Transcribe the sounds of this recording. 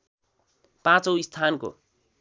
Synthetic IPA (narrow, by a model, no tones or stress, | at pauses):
pãt͡sʌwist̪ʰanko̰